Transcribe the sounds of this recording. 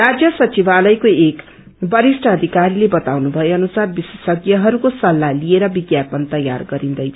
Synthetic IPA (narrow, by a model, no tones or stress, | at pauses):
rad͡zjʌsʌt͡sibalʌjkoek | bʌɾisʈʰʌːd̪ʱikaɾilebʌt̪awnubʱʌeʌnusarbisesʌɡjʌɦʌɾukosʌlːalieɾʌbiɡjapʌnt̪ʌja̰rɡʌɾind̪ʌjt͡sʰʌ̥